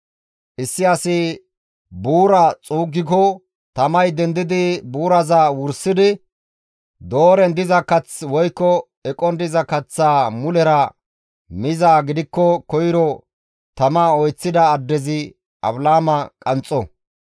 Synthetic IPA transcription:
ʔɪsːɪɐsɪ | buːɾɐt͡sʼuːɡːɪkɔ | t̪ɐmɐjd̪ɛnd̪ɪd̪ɪbuːɾɐzawʊɾsɪd̪ɪ | d̪o̞ːɾɛnd̪ɪzɐkɐt͡swɔjkːɔ | ɛkʼɔnd̪ɪzɐkɐt͡sːaːmʊlɛɾɐ | mɪzaːɡɪd̪ɪkːɔkɔjɪɾɔ | t̪ɐmaɔjt͡sːɪd̪ɐːd̪ːɛzɪ | ʔɐ̰blaːmɐkʼɐnt͡sʼːɔ

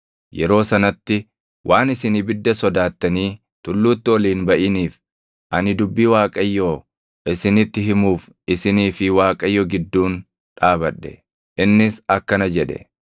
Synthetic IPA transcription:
jɛɾo̞ːsɐnɐt̪ːɪ | wʔaːnɪsɪnibɪd̪ːɐsɔd̪aːt̪ːɐniː | t̪ʊlːuːt̪ːɪɔliːnbɐʔɪniːf | ʔɐnɪd̪ʊbːiːwaːkʼɐjːoː | ʔɪsɪnɪt̪ːɪɦɪmuːf | ɪsɪniːfɪwaːkʼɐjːɔɡɪd̪ːuːn | ᶑaːbɐᶑɛ̥̰ | ʔɪnːɪsɐkːɐnɐd͡ʒɛᶑɛ̰

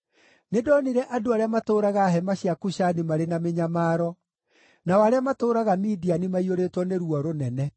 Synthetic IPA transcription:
nedɔniɾɛʔadoaɾeamatoːɾaɣaɦɛmaɕiakuɕanemaɾenameɲamaɾɔ | nawaɾeamatoːɾaɣamidianimaioɾetwɔneɾuɔɾonɛnɛ

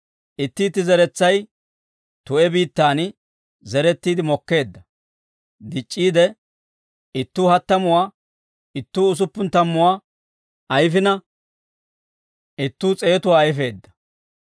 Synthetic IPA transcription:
ʔɪt̪ːɪːt̪ːɪzɛɾɛt͡sːɐj | t̪ʊʔɛbiːt̪ːaːnɪ | zɛɾɛt̪ːiːd̪ɪmɔkːe̞ːd̪ːɐ | d̪ɪt͡ʃʼːiːd̪ɛ | ɪt̪ːuːhɐt̪ːɐmʊwaː | ɪt̪ːuːʊs̬ʊpːʊnt̪ɐmːʊwaː | ʔɐjfɪnɐ | ʔɪt̪ːuːt͡sʼe̞ːt̪ʊwaːjfe̞ːd̪ːɐ̥

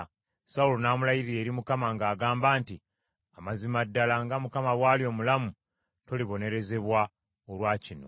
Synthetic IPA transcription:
saulonaːmulajiɾiɾe̞ːɾimukamaŋɡaːɡaːmbaːnti | amazimadːalaŋɡamukamaβwaːljo̞ːmulamu | to̞liβo̞ne̞ɾe̞ze̞βwa | olwaːcino̞̰

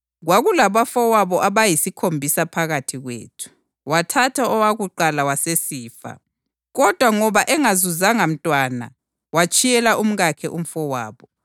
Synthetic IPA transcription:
ɣwaɣulaβafɔwaβɔʔaβajisikʰombʱisapʰaɣatʰiɣwḛːtʰu̥ | watʰatʰaɔwaɣuǃalawasesiːfa̰ | ɣɔd̥ʱwaŋɔβaʔɛŋazuzaŋam̩tʼwana̰ | wat͡ʃʼijɛlaʔum̩ɣakʰɛʔum̩fɔwa̰ːβɔ

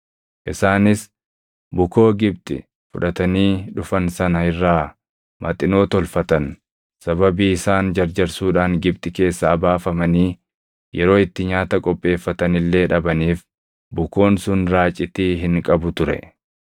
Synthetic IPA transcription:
ʔɪsaːnɪs | bʊko̞ːɡɪb̚t̪ʼɪ̰ | fʊᶑɐt̪ɐniːᶑʊfɐnsɐnɐɪrːaː | mɐt̪ʼɪno̞ːt̪ɔlfɐt̪ɐn | sɐbɐbiːɪsaːnd͡ʒɐɾd͡ʒɐɾsuːᶑaːŋɡɪb̚t̪ʼɪke̞ːsːaːbaːfɐmɐniː | jɛɾo̞ːɪt̪ːɪɲaːt̪ɐkʼɔpʼːe̞ːfːɐt̪ɐnɪlːe̞ːᶑɐbɐniːf | bʊko̞ːnsʊnɾaːt͡ʃʼːɪt̪iːɦɪŋkʼɐbʊt̪ʊɾɛ̰

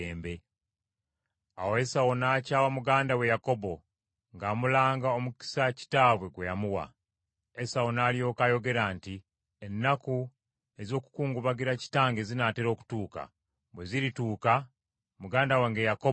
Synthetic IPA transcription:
eːmbe̞ | a̰wo̞e̞sawo̞naːcaːwamuɡaːndawe̞jako̞bo̞ | ŋɡaːmulaːŋɡao̞muki̥saci̥taːβwe̞ɡwe̞jamuwa̰ | e̞sawonaːlijo̞ːkajo̞ɡe̞ɾaːnti | enːaku | e̞zo̞ːku̥kuːŋɡuβaɡiɾaci̥taːŋɡezinateɾo̞ːku̥tuːka̰ | bweziɾituːka | muɡaːndaweŋɡejako

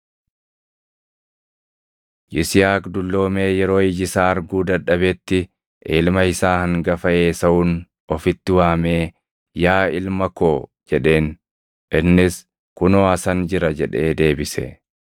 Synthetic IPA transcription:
jɪsɪjaːkd̪ʊlːo̞ːme̞ːjɛɾo̞ːɪd͡ʒɪsaːɐɾɡuːd̪ɐᶑɐbɛt̪ːɪ | ʔɪlmɐɪsaːhɐŋɡɐfɐeːsɐʔʊːn | ɔfɪt̪ːɪwaːme̞ː | jaːɪlmɐko̞ː | d͡ʒɛᶑe̞ːn | ʔɪnːɪs | kʊnoːɐsɐnd͡ʒɪɾɐd͡ʒɛᶑe̞ːd̪e̞ːbɪsɛ̰

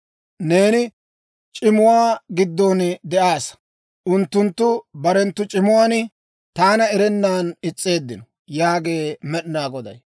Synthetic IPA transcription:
ne̞ːnɪ | t͡ʃʼɪmʊwaːɡɪd̪ːoːnd̪ɛʔaːs | ʔʊnt̪ːʊnt̪ːʊbɐɾɛnt̪ːʊt͡ʃʼɪmʊwaːn | t̪aːnɐɛɾɛnːaːnɪt͡sʼːe̞ːd̪ːɪnɔ | jaːɡe̞ːmɛɗnaːɡɔd̪ɐ̰j

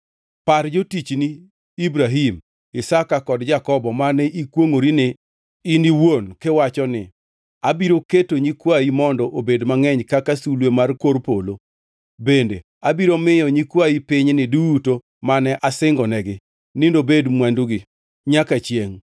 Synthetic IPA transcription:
paɾd͡ʒotit͡ʃniː | bɾaɦim | ɪsakakɔdd͡ʒakɔbɔmanɛʔikwoŋoɾinɪ | ɪniwonkewat͡ʃɔnɪ̰ | abiɾoketoɲikwajimɔndɔʔobedmaŋɛɲkakasulwemarkoɾpolo | bendḛ | abiɾomɪjɔɲikwaipɪɲnɪduuto | manɛʔasɪŋɡɔnɛɡɪ | nɪndobedmwanduɡɪ | ɲakat͡ʃjeŋ

